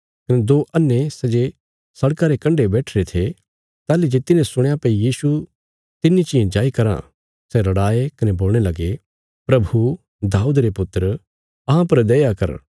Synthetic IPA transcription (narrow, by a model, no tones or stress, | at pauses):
kɐned̪oːʔɐnːesɛd͡ʒe | sɐɽkaɾekɐ̃ɳɖebɛːʈʰɾet̪ʰe | t̪aːlid͡ʒet̪ɪnẽsʊɽ̃japɐijiːsu | t̪ɪnːit͡ʃiẽd͡ʒaːikɐɾã̰ | sɛɾɐɽaːekɐneboːlɽ̃elɐɡe | pɾɐbʱu | d̪aːuːd̪ɾepʊt̪ːəɾ | ɐɦãpɐɾd̪ɛːjakɐ̰ɾ